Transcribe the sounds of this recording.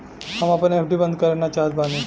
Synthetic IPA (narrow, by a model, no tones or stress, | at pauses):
hɐmapneeːpʰɖibə̃nd̪̚kəɾənat͡ʃaːɦt̪baːne